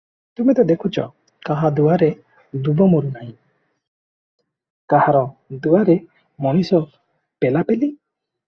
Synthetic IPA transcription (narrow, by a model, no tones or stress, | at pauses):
t̪umid̪ɔd̪ekʰut͡ʃɔ̰ | kaɦad̪uwaɾe | d̪ubɔmuɾunaĩ | kahaɾɔd̪uwaɾe | mɔnisɔ | pelapeli